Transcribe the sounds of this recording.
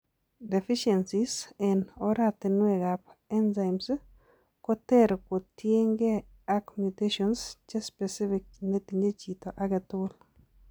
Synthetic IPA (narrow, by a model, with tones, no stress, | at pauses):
de˨fi˦ʃɛ˨nsisɛ˨nɔɾat̪enwe˨ɣa˨pɛ˦nza˨ɪms | ko˦t̪ɛ˦ɾko˨t̪je˦ŋɡe˦ | a˦kmjute˦ʃɔnst͡ʃe˦spɛ˨si˦fɪ˨k̚ne˦ti˨ɲd͡ʒe˦t͡ʃi˨t̪o˨ʔa˨ɡɛt̪ʊl